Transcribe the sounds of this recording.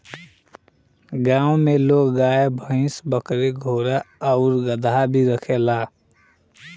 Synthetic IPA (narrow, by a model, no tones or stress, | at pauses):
ɡãːõmeloːkɡaːebʱə̃ɪ̃sbəkɾeɡʱoːɾaəʊɾɡəd̪ʱabʱiɾəkʰelaː